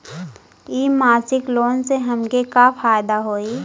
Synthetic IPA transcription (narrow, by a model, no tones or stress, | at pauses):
iːmaːɾsɪkloːnseɦɐmkekafʰaːjd̪aɦoːiː